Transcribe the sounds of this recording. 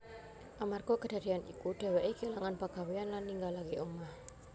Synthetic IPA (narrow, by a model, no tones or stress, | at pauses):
ʔamarɡ̥ɔkəd̪̥a̤d̪̥ianḭkuɖ̪̥ɛ̤wɛʔikelaŋanpaɡ̥a̤weanlanːiŋɡalakeʔumah